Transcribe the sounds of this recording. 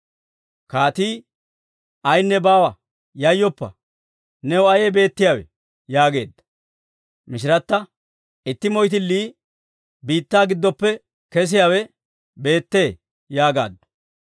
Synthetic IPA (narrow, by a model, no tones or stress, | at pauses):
kaːt̪iː | ʔɐjnːɛbaːwɐ | jɐjːɔpːɐ̰ | nɛwɐjɛbe̞ːt̪ːɪjaːwɛ̰ | jaːɡe̞ːd̪ːɐ̥ | mɪʃ̬ɪɾɐt̪ːɐ | ɪt̪ːɪmɔjt̪̬ɪlːiː | biːt̪ːaːɡɪd̪ːɔpːɛ | kɛs̬ɪjaːwɛ | be̞ːt̪ːe̞ː | jaːɡa̰ːd̪ːɐ̥